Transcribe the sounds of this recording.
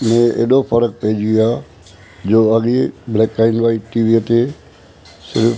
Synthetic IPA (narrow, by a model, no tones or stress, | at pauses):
mẽḛɗopʰɐɾək̚peːd͡ʒiaː | d͡ʑoːɐɠeblɛːkːaːɪnʋaːiʈiːʋiət̪e | sɪɾf